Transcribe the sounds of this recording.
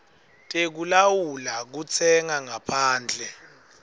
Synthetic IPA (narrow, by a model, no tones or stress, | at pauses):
tʼek̬ulawulak̬ut͡sʰɛŋaŋapʰaːnd͡ɮʱɛ